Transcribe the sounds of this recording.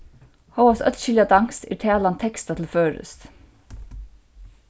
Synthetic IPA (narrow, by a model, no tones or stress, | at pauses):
hoʊɑsœ̰t̪ʃɪljɑd̪ɑŋst̪iːʈʰæːlɑnt̪ʰɛkst̪ɑt̪ʰl̩føːɹʉ̰st̪